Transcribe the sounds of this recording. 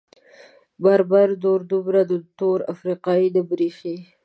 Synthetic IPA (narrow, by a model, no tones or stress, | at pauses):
baɾbaɾd̪oɾd̪ʊbɾad̪ət̪oɾa̰fɾiqɑid̪əbɾixe